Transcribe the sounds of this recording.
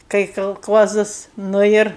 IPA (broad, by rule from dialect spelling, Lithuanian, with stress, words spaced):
kɐɪ kɐlˠˈkuɔzɐs ˈnʊ ɪr